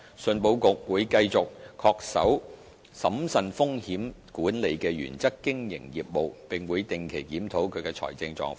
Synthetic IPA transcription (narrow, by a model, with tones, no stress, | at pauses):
sɵ˨˧npo˧wkʊ˨k̚wuː˨˧jkɐ˧jt͡sʊ˨k̚ʰɔː˧k̚sɐ̰˨˥w | sɐ˨˥msɐ˨nfʊ˥ŋhiː˨˥mkuː˨˥nle˨˧jkɛː˧ɥy̰ː˨˩nt͡sɐ˥kːɪ˥ŋjɪ̰˨˩ŋjiː˨p̚mo˨wpɪ˨ŋwuː˨˧jt̪ɪ˨˩ŋkʰe˨˩jkiː˨˥mt̪ʰo˨˥wkʰɵ˨˧ɥkɛː˧t͡sʰɔ̰ː˨˩jt͡sɪ˧ŋt͡sɔ̰ː˧ŋf